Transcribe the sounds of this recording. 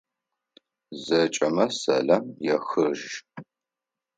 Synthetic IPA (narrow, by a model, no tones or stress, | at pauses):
zɐt͡ʃʼɐmɐsɐ̰ɮɐmjɛxɨʒ